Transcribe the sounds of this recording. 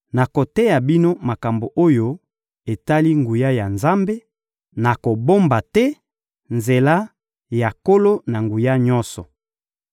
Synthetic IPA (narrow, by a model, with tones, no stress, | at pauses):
na˨ko˨tɛ˦ja˨bi˦no˦ma˨ka˨mbo˨ʔo˦jo˦ | e˨ta˦li˦ŋɡu˨ja˦ja˨nza˦mbe˦ | na˨ko˨bo˦mba˨tɛ˦ | nze˨la˦ | ja˨ko˦lo˦na˨ŋɡu˨ja˦ɲɔ˦sɔ˨